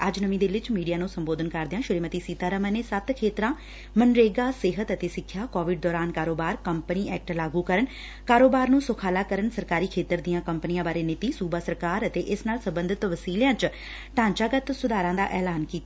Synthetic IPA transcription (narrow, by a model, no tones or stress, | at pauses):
əd͡ʒnəmĩːd̪eːlɪt͡ʃmiːɖijaːnũːsəmboːd̪ənkəɾd̪eãːʃʊɾeːmət̪iːsiːt̪aːɾəməneːsət̪kʰeːt̪ɾãː | mənɾeːɡaːsɪɦət̪ət̪eːsɪkʰːjaːkɔːʋɪɖ̚d̪ɔːɾaːnkaːɾoːbaːɾkəmpəniːɛːk̚ʈlaːɡuːkəɾən | kaːɾoːbaːɾnũːsʊkʰaːlaːkəɾənsəɾkaːɾiːkʰeːt̪əɾd̪ijãːkəmpənijãːbaːɾeːnɪt̪iːsuːbaːsəɾkaːɾət̪eːʔɪsnaːlsəbənd̪ʱɪt̪ʋəsiːljãːt͡ʃ | t̪ãːɲt͡ʃaːɡət̪sʊd̪aːɾãːd̪aːʔɛːlaːnkiːt̪aː